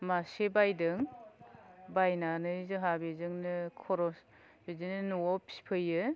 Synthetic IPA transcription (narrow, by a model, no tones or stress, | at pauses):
masebajdɯŋ | bajnanɯzɯɦabezɯŋnɯkʰɔɾɔs | bezɯnɯnuɔpʰi̥pʰɯjɯ